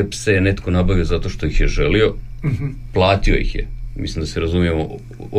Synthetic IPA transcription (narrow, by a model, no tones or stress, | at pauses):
psene̞t̪ko̞nabaʋiozat̪o̞ʃt̪o̞jixjeʒelio̞ | plˠaːt̪io̞̰jḭxjḛmḭslimd̪aseɾazumijemo